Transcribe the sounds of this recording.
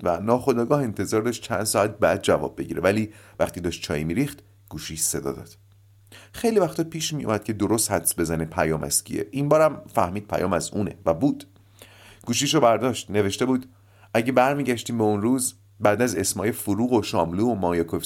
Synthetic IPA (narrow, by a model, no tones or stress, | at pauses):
vænɒːxo̞d̪ɒːɡɒːhe̞nt̪ʰe̞zɒːɾd̪ɒʃt̪̚t͡ʃʰænd̪̥sɒæt̪̚bæːd̪̚d͡ʒævɒ̰b̚ːe̞ɟiːɾevæliːvæxt̪iːd̪ɒːʃt̪̚t͡ʃʰɒ̰ːjimiːɾiːxt̪ | ɡ̥uːʃiːse̞d̪ɒ̰d̪ɒ̰ːd̪̥ | xe̞jlivæxt̪ʰɒːpʰiːʃmijṵmæd̪̥̚cʰe̞d̪oɾost̪hæd̪sbe̞zænepʰæjɒːmæ̰scʰḭḛʔimbɒːɾæmfæhmiːd̪̚pʰæ̰jɒ̰ːmæzuːne̞̰væbuːd̪̥ | ɡ̥uːʃ̬iʃobæɾd̪ɒːʃt̪ne̞ve̞ʃt̪e̞buːd̪ | æɟe̞bæɾmiːɟæʃt̪iːmbeunɾuːz | bæd̪æze̞smɒːjefoɾuːɣoʃɒːmluːomɒːjekʰof